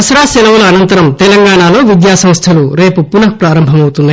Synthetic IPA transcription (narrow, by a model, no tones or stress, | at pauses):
ɐsɾaːsɛlɐwulɐɐnɐnt̪ɐɾɐmt̪ɛlɐŋɡaːɳaːlo̞ːʋid̪jaːsɐ̃m̃st̪ʰɐluɾe̞ːpupunɐk̚pɾaːɾɐmbʱɐmɐwut̪unːɐ